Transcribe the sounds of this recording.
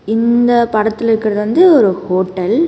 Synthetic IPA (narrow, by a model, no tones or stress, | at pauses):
ɪnd̪ɐpɐɽɐt̪ːɪlɪɾɯkːɪɾɐðɯʋɐnd̪ɯɔɾɯhoːʈːɐl